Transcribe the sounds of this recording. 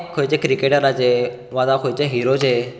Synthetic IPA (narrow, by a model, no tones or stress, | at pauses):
kʰojt͡ɕekɾikeʈəɾat͡ɕe | ʋad̪akʰojt͡ɕeɦiɾod͡ʑe